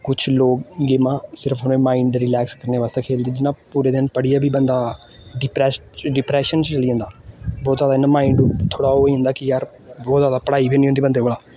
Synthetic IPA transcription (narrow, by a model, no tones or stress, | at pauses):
kʊt͡ʃʰloːkːeːmãːsɪɾəfʰɦəneːmaːɪ̃ɳɖɾɪlɛːkskəɾneːʋaːst̪ẽːkʰeːld̪iːd͡ʒɪnãːpuːɾeːd̪ɪnpəɽijaːbʱiːbə̃nd̪aː | ɖɪpɾɛːsɖɪpɾɛːʃənt͡ʃt͡ʃəliːɦə̃nd̪aːbɔːt̪zaːd̪aːɪnəmaːɪ̃ɳɖut̪ʰoːɽaːoːiːʊ̃nd̪aːkɪjaːɾ | bɔːt̪zaːd̪aːpəɽaːibʱiːnĩɦʊ̃nd̪ibə̃nd̪eːoːlaː